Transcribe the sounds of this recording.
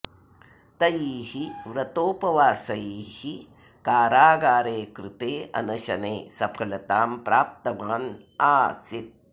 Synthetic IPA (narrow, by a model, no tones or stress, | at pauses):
t̪ɐjiːhiʋɾɐt̪oːpɐʋaːsɐjiːhi | kaːɾaːɡaːɾeːkɾɪt̪eːɐ̰nɐʃɐneːsɐpʰɐlɐt̪aːmpɾaːp̚t̪ɐmaːn | aːsit̪̚